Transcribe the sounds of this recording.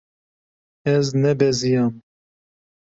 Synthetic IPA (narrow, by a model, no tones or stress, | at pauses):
ɛznɛbɛzijɑːm